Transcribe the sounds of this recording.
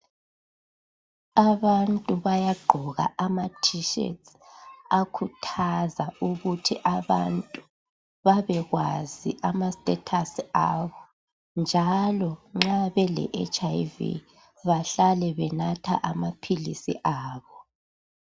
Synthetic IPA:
aβantʼuβajaɡ͡ǃʱɔɣa̰amatʰiʃɛ̰ts | akʰutʰazauɣutʰiʔaβa̰ntʼu | βaβɛɣwaziʔamastʼɛtʰasaβɔ | nd͡ʒʱalɔŋ͡ǁaβɛlɛ̰ʔḛt͡ʃʼajvḭ | βaɬalɛβɛnatʰa̰ʔamapʰilḭsḭʔaːβɔ

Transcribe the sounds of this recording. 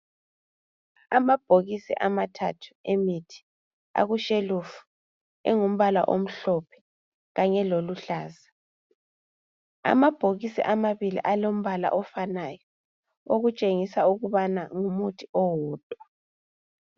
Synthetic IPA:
amab̥ʱoɣisḭʔamatʰa̰tʰu̥emitʰi̥ | a̰ɣuʃelufu̥ | ɛ̰ŋum̩βala̰ʔom̩ɬɔpʰɛ̥ | ɣaɲɛloluɬaːza | a̰mab̥ʱoɣisḭʔamaβilḭʔalom̩βala̰ʔɔfanajɔ | oɣut͡ʃʼeŋisauɣuβanaŋumutʰiɔwɔːd̥ʼʱwa

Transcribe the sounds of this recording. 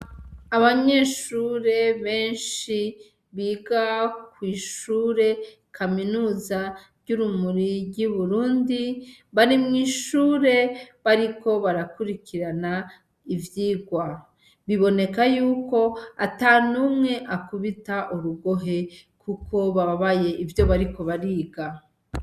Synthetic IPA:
aβaɲe̞ʃuɾe̞βe̞ːnʃi | βiːɡakwiːʃuːɾe̞ | kʰaminuːzaɾɟuɾumuɾiɾɟuβuɾuːndiβaɾimŋiːʃuːɾe̞βaɾiko̞βaɾakuɾikiɾana | ivjiːɡwa | βiβo̞ne̞kajuːko̞atanumŋe̞ʔakuβitaʔuɾuɡo̞ɦe̞kukʰo̞βaaβaje̞ʔivjo̞βaɾiko̞βaɾiːɡa

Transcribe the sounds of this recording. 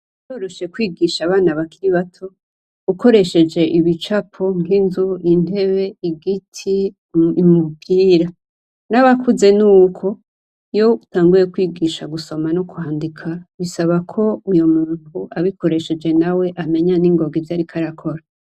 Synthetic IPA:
joːɾoʃe̞kwiːɡiʃaβaːnaβakiɾiβatʰo̞ | uko̞ɾe̞ʃe̞d͡ʒe̞ʔiβit͡ʃapʰo̞ŋinzuin̥e̞βe̞iɡitʰi | mupiːɾa | naβakʰuze̞nuːkʰo̞ | jo̞utaːŋɡuɾekwiːɡiʃaɡuso̞manokuhaːndikʰaβisaβakʰo̞ujo̞muːn̥uaβiko̞ɾe̞ʃe̞d͡ʒe̞nawe̞ʔame̞ɲaniːŋɡo̞ːɡivjaːɾikʰaɾakʰo̞ɾa

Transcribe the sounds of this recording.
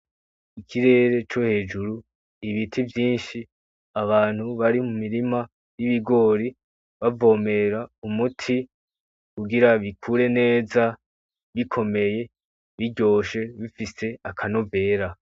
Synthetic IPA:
ikʰiɾe̞ːɾe̞t͡ʃo̞he̞ːd͡ʒuɾu | iβitʰivjiːnʃi | aβaːn̥huβaɾimumiɾima | jiβiɡo̞ɾi | βavo̞ːme̞ɾaumutʰi | kuɡiɾaβikʰuːɾe̞ne̞ːza | βikʰo̞me̞je̞ | βiɟo̞ːʃe̞βifise̞akʰano̞ve̞ːɾa

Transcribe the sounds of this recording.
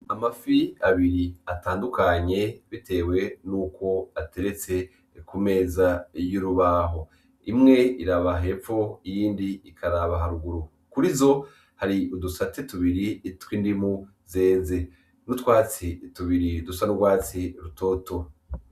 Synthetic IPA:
amafiaβiɾiataːndukaɲe̞βitʰe̞ːwe̞nuːkʰo̞ate̞ɾe̞t͡se̞ | kume̞ːzajuɾuβaːɦo̞ | imŋe̞iɾaβaɦe̞pp͡fo̞ijiːndiikʰaɾaβaɦaɾuɡuɾu | kuɾizo̞ | haɾiudusatetuβiɾitwiːndimu | ze̞ːze̞ | nutwaːt͡situβiɾidusanuɡwaːt͡siɾuto̞ːto̞

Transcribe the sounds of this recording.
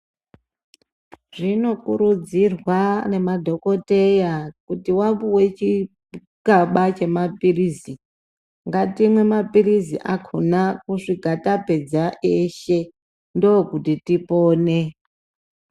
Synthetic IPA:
ʐ̥ino̞kuɾud͡zirwane̞madʱo̞ko̞te̞jakutiwambuwe̞t͡ʃi | kaɓat͡ʃe̞mapirizi | ŋɡatimwe̞mapirizḭʔakʰonakuʂiɡʱatape̞d͡zaʔeʃe̞ | ndookutitipoːne

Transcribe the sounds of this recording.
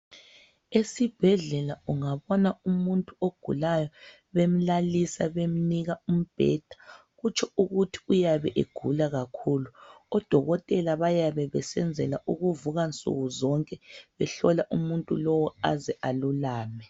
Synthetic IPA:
esib̥ʱɛɮɛlauŋaβɔnaumuntʼuoɡ̥ʱṵlajɔ | βem̩lalisaβem̩niɣaum̩b̥ʱɛ̰d̥ʱa | ɣut͡ʃʰɔuɣutʰi̥ujaβɛʔeɡ̥ʱulaɣakʰuːluɔd̥ʱɔɣɔtʼɛlaβajaβɛβɛsɛnd͡zʱɛlaʔuɣuvuɣant͡sʼṵɣuzɔŋkʼɛβɛɬɔlaʔumuntʼṵlɔwɔazɛʔalulaːmɛ

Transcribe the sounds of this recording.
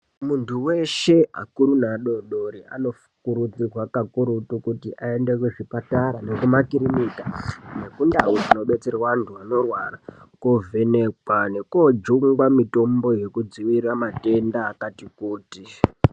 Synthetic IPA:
muntʰuwe̞ʃe̞a̰kuɾunaɗoɗoɾia̰no̞fu̥kuɾud͡zirwakakuɾutukutiʔae̞nde̞kweʐipataɾane̞kumakiɾimitane̞kundawud͡zino̞ɓe̞t͡serawantʰuano̞rwarakovʱe̞ne̞kwane̞kod͡ʒuŋɡwamito̞mbo̞je̞kud͡ziʋiramate̞ndaːkatikuːti

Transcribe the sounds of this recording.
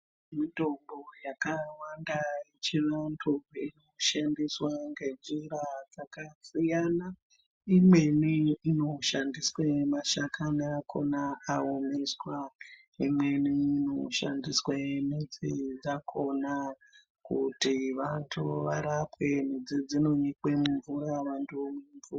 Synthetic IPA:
midʱo̞mbojakawandaet͡ʃiʋantʰuino̞ʃandiswaŋɡe̞d͡ʒiɾad͡zakasijana | imwe̞niːno̞ʃandiswemaʃakaniakʰo̞naːumiswa | imweniːno̞̰ʃa̰ndiswemid͡zid͡zakʰo̞na | kṵtiʋantʰuʋaɾapwe̞m̤id͡zid͡zino̞ɲikemuɱvuɾaʋantʰumweɱvua

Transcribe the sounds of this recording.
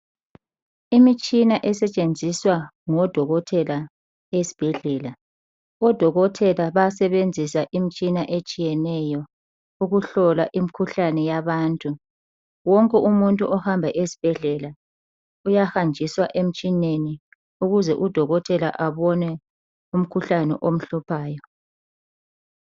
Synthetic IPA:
imit͡ʃʼinaʔɛsɛt͡ʃʼend͡zʱiswaŋɔd̥ʱɔɣɔtʰɛla | esi̥b̥ʱɛɮɛːla | ɔd̥ʱɔɣɔtʰɛlaβasɛβend͡zʱisaʔimit͡ʃʼinaʔet͡ʃʼijɛnɛjɔ | uɣuɬɔlaʔimikʰuɬanɛjaβaːntʼu | wɔŋkʼɛʔumuntʼuʔɔhambʱaʔesi̥b̥ʱɛɮɛla | ujahand͡ʒʱiswaʔem̩t͡ʃʼineni | uɣuzɛ̰ʔud̥ʱɔɣɔtʰʼɛla̰ʔaβɔnɛ | um̩kʰuɬanɛ̰ʔom̩ɬupʰaːjɔ

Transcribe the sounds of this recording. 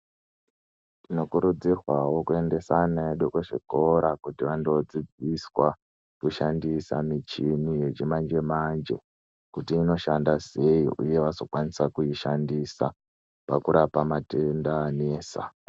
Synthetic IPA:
tino̞kuɾud͡zirwawo̞kue̞nde̞sanaeɗokeʐḭko̞ɾakutiʋandod͡zid͡ziswa | kuʃandisa̰mit͡ʃinije̞t͡ʃimand͡ʒe̞mand͡ʒe̞̰ | kutiːno̞ʃandase̞iʔuje̞ʋaso̞kwanisakuiʃandisa̰ | pakuɾapamatendaneːsa̰

